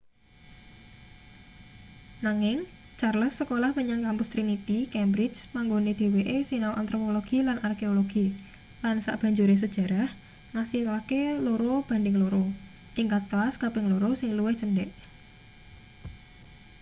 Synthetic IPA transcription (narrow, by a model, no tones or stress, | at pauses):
naŋɪŋ | t͡ʃarləsːəkolahməɲaŋkampʊst̪ɾinit̪ikɛmbɾɪd͡ʒmaŋɡoned̪̥e̤weʔesinawʔa̰nt̪ɾopoloɡ̥ilanʔarkeoloɡ̥i | lansa̰ʔb̥ä̤ɲd͡ʒuɾes̬əd̥ʒ̥a̤ɾah | ŋasihlakeloɾob̥a̤ndɪŋloɾo | ʔiŋkat̪̚klaskabɪŋloɾosɪŋluwɪhʒ̥əndɛʔ